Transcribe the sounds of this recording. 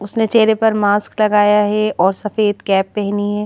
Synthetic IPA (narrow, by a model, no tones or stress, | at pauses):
ʊsnet͡ʃeːɾepɐɾmaːsklɐɡaːjaɦɛɔːɾsɐfeːd̪kɛːpːɛɦniɦɛː